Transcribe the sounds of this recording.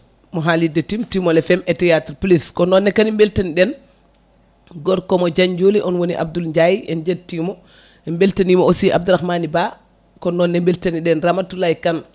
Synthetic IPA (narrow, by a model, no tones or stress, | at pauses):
mɔɦalidetimtimɔlɛfɛmɛtɛjatɾpliskɔnɔnːɛkanimbeltaniɗɛn | ɡɔɾkɔmɔd͡ʒaɲd͡ʒoːliʔɔnwoniʔa̰b̚dulɲd͡ʒajiɛnd͡ʒed̚tːimɔ | ɛmbeltanimɔosiʔa̰b̚duɾaxmaniba | kɔnɔnːɛmbeltaniɗɛnɾamatːulajkan